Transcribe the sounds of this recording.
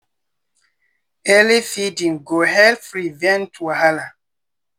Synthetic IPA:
ɛlifidĩŋɡoɦɛlfɾivɛ̃ntʰuahala

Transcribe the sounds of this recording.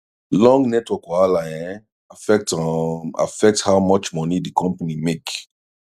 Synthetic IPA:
lɔ̃ŋɡnɛtwɔkɔalajɛ̃n | afɛk̚ta̰fɛk̚thawmɔt͡ʃmɔnidikʰɔ̃mpanimek

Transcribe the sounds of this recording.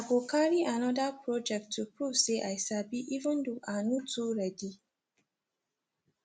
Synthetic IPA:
aɡokaɾiʔanɔdapɹɔd͡ʒɛk̚tːupuseʔajsabiʔivə̃nduanutuɾadi

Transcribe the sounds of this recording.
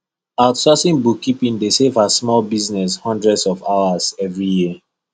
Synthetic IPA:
aʊtsɔsĩnbukːipĩndesevasmɔlbiznɛshɔ̃ndɹɛdsɔvawaz̥ɛvɹijiə

